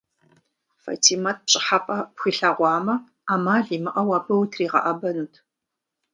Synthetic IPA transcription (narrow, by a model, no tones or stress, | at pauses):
fɐ̰tʰiːmɐt̚ʰpɕʼɪ̥ħapʼɐpxiɬɐʁʷɑːmɐ | aːmaːɮiːmɨʔɐwaːbɐwtʰriːʁɐ̰ʔɐbɐnuːtʰ